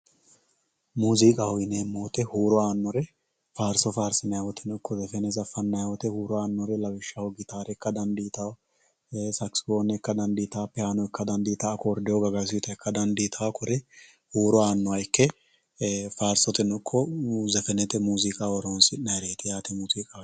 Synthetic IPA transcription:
muːzikʼɐhɔjɪneːmːoːt̪ɛhuːɾɔaːnːɔɾɛ | faːɾsɔfaːɾsɪnɐjawɔt̪ʰɛnɔkːɔzɛfɛnɛzɐfːɐnːɐjawɔt̪ɛhuːɾɔaːnːɔɾɛlɐwɪʃːɐwɔɡɪt̪aːɾɛkːɐd̪ɐnd̪iːt̪ɐw | sɐksɪ̥koːnːɛkːɐd̪ɐnd̪iːt̪apːɛhanɔɪkːɐd̪ɐnd̪iːt̪ɐːkɔːɾd̪ɪjɔɡɐɡɐs̬it̪ɐɪkːɐd̪ɐnd̪iːt̪ʰakʰɔɾɛ | huːɾɔaːnːɔɐjɪkːɛ | faːɾsɔt̪ɛnɔkʰːɔzɛfɛnɛt̪ɛmuːzikʼaɔɾoːnsɪnɐɾeːt̪ɪjaːt̪ɛmuːziːkʼɐ

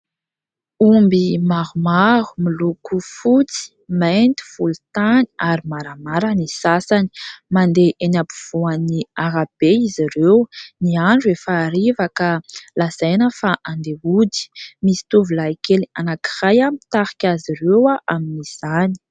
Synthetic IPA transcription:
umbimaɾumaɾu̥milukufut͡si̥ | ment̪i̥fult̪ani̥aɾimaɾamaɾanisasani̥mand̪eʔenapuv̥uaniaɾab̥eiziɾewniaɳɖ͡ʐuefaːɾivakalaz̥ajnəfaʔand̪eud̪i̥misi̥t̪uvulaikelianaki̥rajamit̪aɾi̥kʲaziɾewaʔaminiz̥ani̥

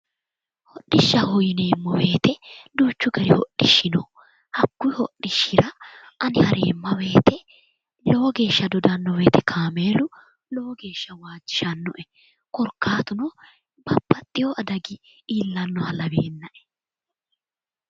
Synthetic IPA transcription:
hɔɗːɪʃːɐhʊjɪneːmːɔwe̞ːt̪ɛd̪uːt͡ʃːʊɡɐɾɪhɔɗːɪʃːɪnɔ | hɐkːʊhɔ̰ʔːɪʃːɪɾɐ | ɐnɪhɐɾḛːmːɐwe̞ːt̪ɛ | lo̞ːɡe̞ːʃːɐd̪ɔd̪ɐnːɔwe̞ːt̪ɛkʰaːmeːlʊ | lo̞ːɡe̞ːʃːɐwaːd͡ʒːɪ̥ʃɐnːɔ̰ʔɛ | kɔɾkːaːt̪ʊnɔ | bɐbːɐt̪ʼːɪjɔʔɐd̪ɐɡɪ | iːlːɐnːɔhɐlɐbeːnːɐʔɛ̥

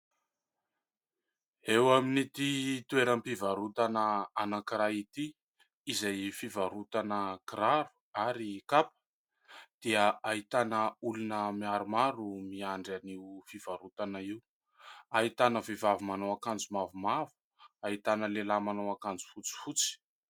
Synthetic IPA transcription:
ewaminit̪it̪ueɾəmpivaɾut̪anəanakiɾait̪iː | zajfivaɾut̪anəkiɾaɾu̥ | aɾikapə̥ | d̪̥iəaɦit̪anəulunəmiaɾumaɾumiaɳɖ͡ʐaniwfivaɾut̪anəiw | aɦit̪anəvivavumanowakand͡zumavumavu̥ | ait̪anəlelamanowakand͡zu̥fut͡si̥fut͡si̥

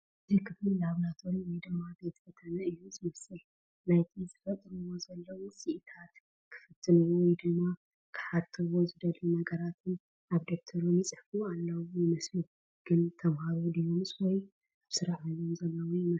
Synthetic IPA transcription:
ɨzikʰɨflɨlaβlat̪ʰonwɔjd̪ɨmːabe̞t̪fʰɐt̪ʰɐnɐɨjːuzɨmɐsɨl | najt̪ʰizɨfɐt̪ʼːɨɾɨwo̞zɐlːɐwusiʔɨt̪ʰat̪ | kʰɨ̥fɨt̪ʰːɨnwɔjd̪ɨmːa | kʰɨ̥ħat̪ʰɨwo̞zɨd̪ɐlunɐɡɐɾat̪ʰɨn | ʔaβd̪ok̚t̪ʰɐɾumit͡sʼɨħfualːawujɪmɐslu | ɡ̥ɨnt̪ʰɐβhaɾod̪ijomɨswɔj | aβsɨɾaħujomzɐlːɐwjmɐ

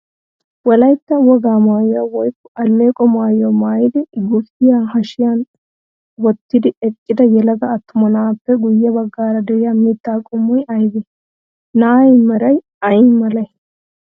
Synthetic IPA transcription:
wɔlɐjt̪ːɐwɔɡaːmaːjɔwawɔjkːɔʔɐlmeːkʼɔmaːjɔmaːjɪd̪ɪɡʊfɪjaːhɐʃɪjan | wɔt̪ːɪd̪ɪɛkʼːɪd̪ɐjɛlɐɡɐːt̪ːʊmɔnaːpːɛɡʊjːɛbɐɡːaːɾɐd̪ɛɪjamiːt̪ːaːkʼʊmːɔjɐjɡɪ | naːɛjmɐɾɐj | ɐjɪmɐlɐj

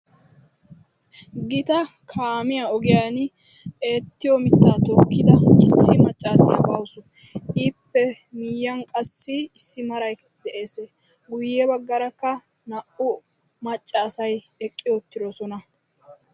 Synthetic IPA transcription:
ɡɪt̪ɐkʰaːmɪjaɔɡɪjaːn | e̞ːt̪ːɪjɔmɪt̪ːaːt̪ɔkːɪd̪ɐɪsːɪmɐt͡ʃʼːaːsɐ̰jbɐwsɔʔiːpːɛ | mɪjːɐnkʼɐsːɪɪsːɪmɐɾɐj | d̪ɛʔe̞ːse | ɡʊjːɛbɐɡːɐɾɐkːɐ | nɐʔʊ | mɐt͡ʃʼːɐːsɐj | ɛkʼːɪjɔt̪ːɪɾɔsɔnɐ

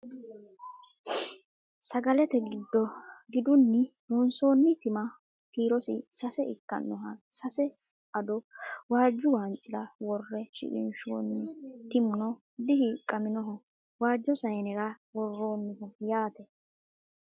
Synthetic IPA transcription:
sɐɡɐlɛt̪ɛɡɪd̪ːɔɡɪd̪ʊnːɪdɔnso̞ːnːɪt̪ɪmɐ | kiːɾɔsɪsɐsɛʔɪkːɐ̰nːɔɦɐsɐsɛ | ʔɐd̪ɔwaːd͡ʒːʊwaːnt͡ʃʼːɪlɐwɔrːɛʃɪ̰ʔɪ̰nʃo̰ːnːɪt̪ɪmʊnɔ | d̪ɪhɪkʼɐmɪnɔɦɔ | waːd͡ʒːɔsɐjnɛɾɐ | wɔrːo̞ːnːɪhɔjaːt̪ɛ

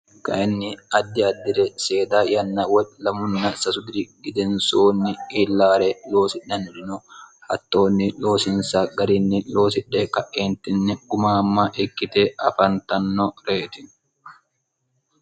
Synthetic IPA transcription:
kɐ̰ʔɪnːɪɐd̪ːɪɐd̪ːɪɾɛse̞ːd̪aːjɐnːɐwɐlɐmʊnːɐsɐsʊd̪ɪɾɪɡɪd̪ɛnsoːnːɪiːlːaːɾɛlo̞ːsɪᶑːɐnɪlɪnʊhɐ̰t̪ːo̞ːnːɪlo̞ːsɪnsaɡɐɾɪnːɪlo̞ːsɪᶑːɛkɐʔeːnt̪ɪnːɪɡʊmaːmːɐʔɛkːɪt̪eʔɐfɐnt̪ɐnːɔɾeːt̪ɪn

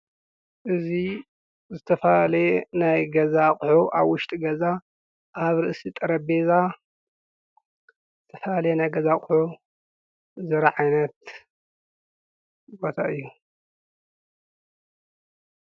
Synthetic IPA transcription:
ʔɨzi | zɨt̪ʰɐfɐalɐenajɡɐzakʼʊħuʔaβwʊʃt̪ʼiɡɐza | ʔaβɾɨʔsit̪ʼɐɾɐbeza | zɨt̪ʰɐfɐalɐjenajɡɐzakʼʊħu | zɐɾaʕajnɐt̪ | bo̞t̪ʰaʔɨjːu

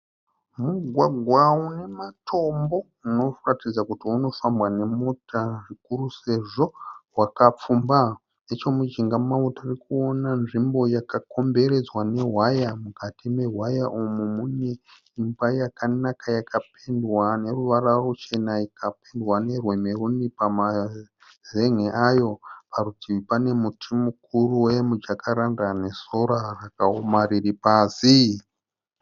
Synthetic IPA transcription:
muɡʱwaɡʱwaune̞matʰo̞mbo̞ | uno̞ratid͡zakutiuno̞fambwane̞mo̞tʰaʐikuruse̞ʐo̞wakap͡fumba | net͡ʃo̞mud͡ʒiŋɡamautairikuo̞nanʐimbo̞jakako̞mbe̞ɾe̞d͡zwane̞ɦwajamukatime̞ɦwajaʔumumune̞ | imbajakanakajakapendwane̞ruʋaɾarut͡ʃe̞naikapendwane̞rwe̞me̞rundipama | ze̞ŋ̤eʔajo̞parutipane̞mutʰimukuruwe̞mud͡ʒakaɾandane̞so̞ɾarakaomariripaːsi

